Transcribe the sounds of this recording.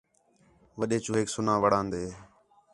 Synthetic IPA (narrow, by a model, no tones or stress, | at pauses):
ʋəɗeːt͡ʃuːɦeːksʊnãːʋəɽãːnd̪eː